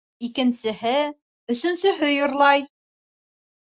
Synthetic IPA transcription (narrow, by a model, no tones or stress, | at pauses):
ikɘ̆nsɘ̆ɦɘ | ɵ̆sɵ̆nsɵ̆ɦɵjŏɾlˠɑj